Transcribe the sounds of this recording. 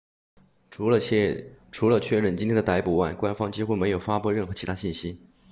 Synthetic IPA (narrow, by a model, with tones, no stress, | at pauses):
ʈ͡ʂʰu˧˥lə˧t͡ɕʰɥɛ˥˧ɻə˥˩nt͡ɕi˥t̪ʰjɛ˥ə˨t̪a˧˥ɪpu˨˩wa˥˩ɪkwa˥nfɑ˥ŋt͡ɕi˥xu˥˩me˧˥ɪjo˨˩ʊfa˥pu˥˧ɻə˥˩nxɤ˧˥t͡ɕʰi˧˥a˥ɕi˥˩nɕi˥